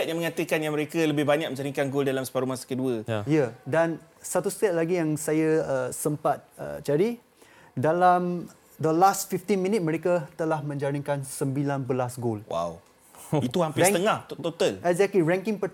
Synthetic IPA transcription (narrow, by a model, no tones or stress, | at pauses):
sɛt̪̚jaŋməŋat̪əkanjãməɾekələbɪbaɲak̚mə̃ɲd͡ʒaɾiŋkanɡoldalamsə̥paɾumasə̥kəduəjadan | sat̪ust̪ɛt̪̚laɡijaŋsajaəsəmpat̪̚ə̰t͡ʃaɾi | dalam | d̪əlast̪̚fift̪inmĩnit̪̚məɾekat̪əlahmə̃ɲd͡ʒaɾiŋkansəmbilanbəlasɡolwa̰w | it̪uhampɪst̪əŋahtt̪ot̪alɛkzɛkliɾɛ̃ŋkiŋpə